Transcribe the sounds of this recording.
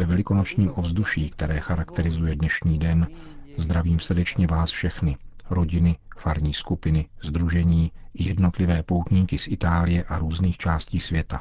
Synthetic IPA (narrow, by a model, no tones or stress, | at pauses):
vɛvɛlɪkonot͡ʃɲiːmʔo̞vzd̪uʃiːkt̪ɛɾɛːxaɾakt̪ɛɾɪzujɛdnɛʃɲiːdɛnzd̪ɾaviːmsr̩dɛt͡ʃɲɛvaːsfʃɛxnɪɾo̞ɟɪnɪfaɾɲiːskupɪnɪzd̪ɾuʒɛɲiːjɛdno̞t̪lɪvɛːpo̞wt̪ɲiːkɪsʔɪt̪aːlɪjɛʔaɾuːzniːxt͡ʃaːsciːsvjɛt̪a